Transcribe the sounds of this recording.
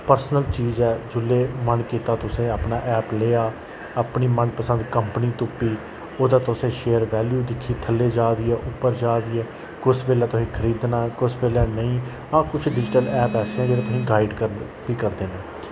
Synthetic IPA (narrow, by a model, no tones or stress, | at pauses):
pəɾsnəlt͡ʃiːzɛːd͡ʒʊlːeːmənkiːt̪aːt̪ʊsẽːəpnaːʔɛːpleːaː | apniːmənpəsə̃nd̪kəmpəniːt̪ʊpːiː | oːd̪aːt̪ʊsẽːʃeːəɾʋɛːljuːd̪ɪkʰːiːt̪ʰəlːeːd͡ʒaːd̪iːɛːʔʊpːəɾd͡ʒaːd̪iːɛː | kʊspeːlɛːt̪ʊsĩːkʰəɾiːd̪naːkʊspeːlɛːnəĩː | ãːkʊt͡ʃʰɖɪd͡ʒʈəlɛːpɛːsɛ̃ːd͡ʒeːɾãt̪ʊsĩːɡaːɪɖkə | biːkəɾd̪eːnãː